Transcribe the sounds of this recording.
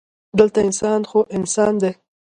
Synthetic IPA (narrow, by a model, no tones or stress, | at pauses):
d̪əlt̪aɪnsɑnxoʔɪnsɑnd̪e